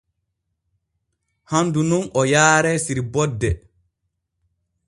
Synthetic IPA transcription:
handununɔjaːɾɛsiɾbɔdːɛ

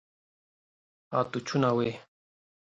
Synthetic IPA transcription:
a̰t̪ut͡ʃʰunawe

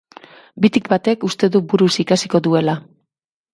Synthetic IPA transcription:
bit̪ikbat̪e̞kust̪e̞ðubuɾusikasiko̞ðue̞la

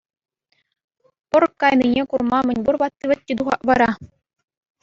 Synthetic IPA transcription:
pɤ̆rkːɑjninʲekurmɑmʲɘ̆nʲburbɑt̪ʲːiʋʲɘ̆t̪̚ʲːid̪uʁɑ̰ʔʋɑɾɑ

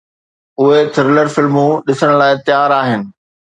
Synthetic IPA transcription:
ʊɦet̪ʰɪɾɪləɾfɪlmũɗɪsəɽ̃laːɪt̪jaːɾaːɦɪnɪ̆

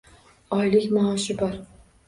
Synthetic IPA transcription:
ɒjlɪkʲmɑːʃɪbɒɾ

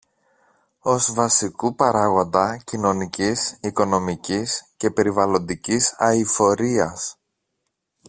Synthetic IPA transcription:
o̞zvɐsikupɐɾɐɣo̞nd̪ɐcino̞nicisiko̞no̞micisce̞pe̞ɾivɐlo̞nd̪icisɐifo̞ɾiɐs

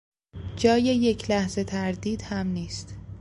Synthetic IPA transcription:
d͡ʒɒːje̞je̞cʰlæhze̞t̪ʰæɾd̪iːd̪̥hæmniːst̪

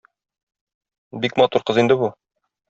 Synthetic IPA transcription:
bikmɑt̪uɾqɤ̆zind̪ɘbu

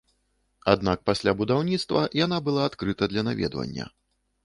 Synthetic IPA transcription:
ad̪nak̚pasʲlʲabud̪awnʲit̪st̪vɐjanabɨlˠaːt̪kɾɨt̪ɐd̪lʲɐnavʲɛ̰d̪vɐ̰nʲːɐ̰

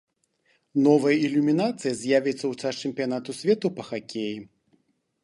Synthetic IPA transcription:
nɔvɐjɐilʲumʲinat̪sɨjɐzʲjavʲɛt̪sːɐwsast͡ʂɛmʲpʲijanat̪usʲvʲɛt̪upɐxakʲeji

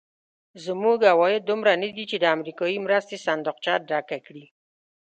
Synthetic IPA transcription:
zmuɡawɑjɪd̪̚d̪ːʊmɾanəd̪it͡ʃed̪əamɾikɑjimɾast̪esand̪ʊq̚t͡ʃɑɖakakɽi

